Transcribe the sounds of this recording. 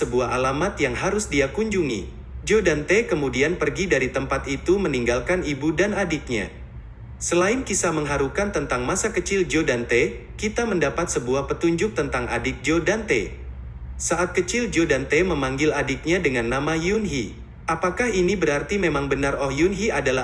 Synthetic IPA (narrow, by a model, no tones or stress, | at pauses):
səbuaɦalamat̪̚jaŋɦaɾʊsdiakuɲd͡ʒuŋḭ | d͡ʒodant̪ekəmudianpərɡidaɾit̪əmpat̪it̪uməniŋɡalkanibudanadɪt̪̚ɲa̰ | səlaɪnkisaməŋɦaɾukant̪ənt̪aŋmasakət͡ʃɪld͡ʒodant̪e | kit̪aməndapat̪̚səbuahpət̪uɲd͡ʒʊk̚t̪ənt̪aŋa̰dɪt̪̚d͡ʒodant̪ḛ | saʔat̪̚kət͡ʃɪld͡ʒodant̪eməmaŋɡɪladɪk̪̚ɲadəŋanːamajunɦi | ʔapakahinibəɾart̪imemaŋbənarɔhjunɦiadala